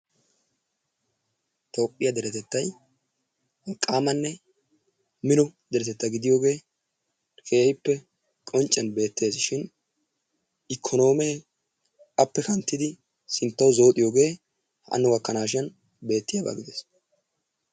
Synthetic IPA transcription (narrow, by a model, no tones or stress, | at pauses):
t̪o̞ːpʼːɪjɐd̪ɛɾɛt̪ɛt̪ːɐj | ɐkʼːaːmɐnːɛ | mɪnɔd̪ɛɾɛt̪ɛt̪ːɐɡɪd̪ɪjo̞ːɡe̞ː | kʰe̞ːhɪpːɛ | kʼɔnt͡ʃʼːɛnbe̞ːt̪ːe̞ːsɪʃɪn | ɪkʰːɔno̞ːmeː | ɐpːɛkɐnt̪ːɪd̪ɪ | sɪnt̪ːɐwzo̞ːt̪ʼɪjo̞ːɡe̞ː | hɐ̰nːɔɡɐkːɐnaːʃ̬ɪɐn | be̞ːt̪ːɪjaːba̰ːɡɪd̪eːs